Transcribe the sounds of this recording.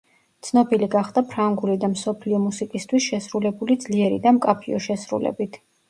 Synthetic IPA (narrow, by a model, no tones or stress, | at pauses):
t̪sʰnɔbiliɡaχd̪̥apʰɾaŋɡulid̪amsɔpʰliɔmusikʼist̪ʰwisʃɛsɾulɛbulid̪zliɛɾḭd̪amkʼapʰiɔʃɛsɾṵlɛ̰bit̪ʰ